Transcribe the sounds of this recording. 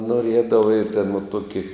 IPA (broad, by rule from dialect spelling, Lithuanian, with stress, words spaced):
noːˈrʲiɛdɐʋɐ ɪ tʲeːn ʋɐ ˈtuɔkʲɪ